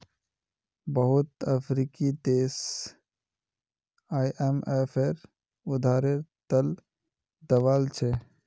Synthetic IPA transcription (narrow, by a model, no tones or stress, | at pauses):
bəɦʊt̪əpʰɾiːkid̪eːs | aːiʔemepʰeɾ | ʊd̪ʱaːɾeɾt̪əl | d̪əʋaːlt͡ʃʰɛ